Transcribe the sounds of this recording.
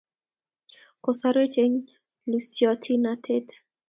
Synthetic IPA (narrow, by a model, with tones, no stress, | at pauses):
ko˨sa˦ɾe˦t͡ʃe˦ɲ | lusjɔ˨tʰi˦na˦tʰe˦t